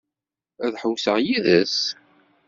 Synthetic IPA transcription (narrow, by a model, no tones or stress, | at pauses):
æðħəwsəʁjiðæs